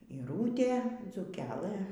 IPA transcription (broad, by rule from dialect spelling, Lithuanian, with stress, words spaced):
iːˈruːtʲeː d͡zuːˈkʲæːˈlˠɘ